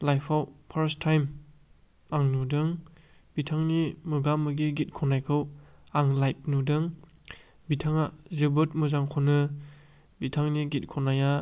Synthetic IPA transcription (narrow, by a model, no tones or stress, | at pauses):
lajpʰawpʰɐɾstʰːajm | aŋnudɯŋ | bitʰaŋnimɯɡamɯɡiɡit̚kʰɔnajkʰɯwaŋlajp̚nudɯŋ | bitʰaŋazɯbɯt̚muzaŋkʰonɯ | bitʰaŋniɡit̚kʰɔnaja